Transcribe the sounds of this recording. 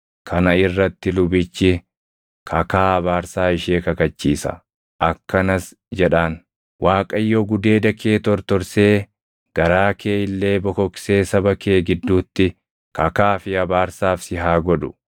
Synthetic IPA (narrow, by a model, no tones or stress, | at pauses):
kʰɐnɐɪrːɐt̪ːɪlʊbɪt͡ʃːɪ | kʰɐkaːɐβaːɾsaːɪʃeːkɐkɐt͡ʃːiːsɐ̰ | ʔɐkːɐnɐs | d͡ʒɛᶑaːn | waːkʼɐjːɔɡʊd̪e̞ːd̪ɐkʰeːt̪ɔɾt̪ɔɾseː | ɡ̥ɐɾaːkʰe̞ːɪlːe̞ːbɔkɔkseːsɐbɐkeːɡɪd̪ːuːt̪ːɪ | kɐkaːfɪɐbaːɾsaːfsɪɦaːɡɔd̪ʊ̥